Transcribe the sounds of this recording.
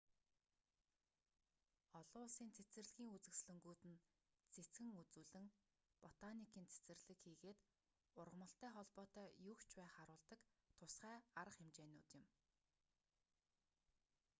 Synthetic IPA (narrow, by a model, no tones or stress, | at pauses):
ɔɮʊːɮsiːnt͡sʰet͡sɘ̆rɮɣʲiːŋut͡sɘ̆ksɮɵ̆ŋɡuːt̪ɘ̆n | t͡sʰet͡sɡɘ̆ŋut͡suːɮɘ̆ŋ | pɔt̪anikiːnt͡sʰe̥t͡sɘ̆rɮɘ̆kxiːɣeːt̪ | ʊrʁə̆mɞ̆ɬt̪æːχɔɮpɔːt̪œːjɵkt͡ɕpæːχaɾʊːɮt̪ə̆kt̪ʰʊsχæːaɾə̆χxemt͡ɕeːnʊ̰ːt̪jɪ̆m